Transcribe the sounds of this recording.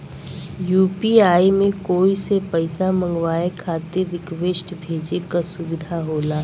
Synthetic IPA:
juːpiaːimẽkoːisepəɪsamə̃ŋɡʋaːekʰaːt̪ɪɾːɪkʋeːʃʈbʱeːd͡ʒekasʊʋɪd̪ʱaɦoːlaː

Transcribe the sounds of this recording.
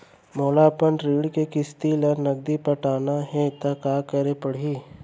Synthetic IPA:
moːlaːpənɾiːɽkekɪst̪iləɾnɐɡ̚d̪ipɐʈaːnaɦɛ̃t̪ɐkaːkɐɾepɐɽ̤iː

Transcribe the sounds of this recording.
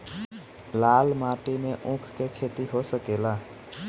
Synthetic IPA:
lalmaʈimeʔũkʰkekʰet̪iɦosəkela

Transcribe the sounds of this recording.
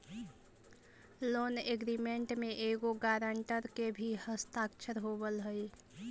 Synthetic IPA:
loːneɡɾimeɳʈmẽʔeɡoɡaːɾəɳʈəɾkebʱihəst̪aːkt͡ʃʰəɾɦoːbəlɦəi

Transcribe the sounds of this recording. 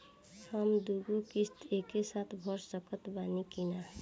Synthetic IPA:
həmd̪uɡukist̪eːkesaːt̪ʰbʱɔɾsəkət̪baːnikina

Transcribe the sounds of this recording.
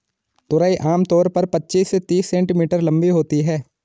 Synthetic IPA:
t̪ʊɾaːiʔaːmt̪ɔːɾpɐɾpɐtːʃiːsːet̪iːsːɛ̃ːɳʈimiːʈəɾlɐ̃mbiɦoːt̪iɦɛː

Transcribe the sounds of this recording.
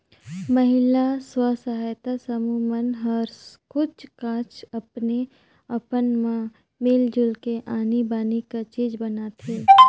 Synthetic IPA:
məɦɪlaswasəɦaːjt̪asəmumənɦɐɾskʊt͡ʃkãːt͡ʃɐpne | ɐpənmã | meːld͡ʒʊlkeʔaːnibaːnikat͡ʃiːd͡ʒbɐnat̪ʰeː

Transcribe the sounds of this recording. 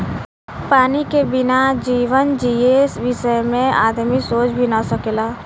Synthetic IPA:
paːnikebɪnad͡ʒiːʋənd͡ʒiːeːsʋɪʃəjmẽa̰ːd̪misoːt͡ʃbʱinasəkelaː

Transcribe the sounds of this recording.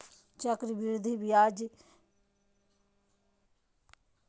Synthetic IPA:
t͡ʃəkɾbɪɾd̪ʱibijaːd͡ʒ

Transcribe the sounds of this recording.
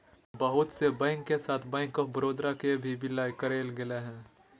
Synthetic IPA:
bəɦʊt̪sebɛ̃ːŋkːesaːt̪ʰbɛ̃ːŋkɔbəɾoːd̪ɾakebʱibɪlaːjkəɾeːlɡɪleɦɛ̃ː

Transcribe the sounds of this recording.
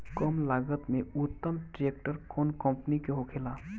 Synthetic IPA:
kəmlaɡət̪meut̪ːəmʈɾek̚ʈəɾkɔnkə̃mpnikeɦokʰela

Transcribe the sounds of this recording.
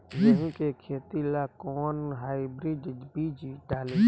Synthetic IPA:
jəɦĩkekʰeːt̪ilakɔːnɦaːibɾiɖbid͡ʒɖaːle

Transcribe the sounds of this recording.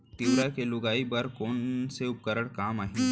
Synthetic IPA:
t̪iʋɾakelʊɡaːibɐɾkoːnseʊp̚kəɾəɽkaːmaːɦĩ

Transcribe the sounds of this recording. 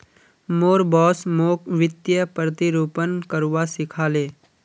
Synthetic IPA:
moːɾbɔːsmoːkʋɪt̪jəpɾət̪iɾuːpənkəɾwasɪkʰaːleː

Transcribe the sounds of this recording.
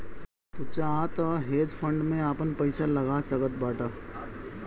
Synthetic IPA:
t̪ʊt͡ʃaaːt̪aɦeːd͡ʒfʰə̃ɳɖmẽaːpənpɐɪsalɐɡasəkət̪̚baːʈa

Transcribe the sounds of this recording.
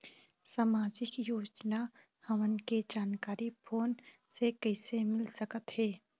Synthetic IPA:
saːmaːd͡ʒɪkjoːd͡ʒna | hɐʋənked͡ʒaːnkaːɾipʰoːnsekəɪsemɪlsəkət̪ɦɛː

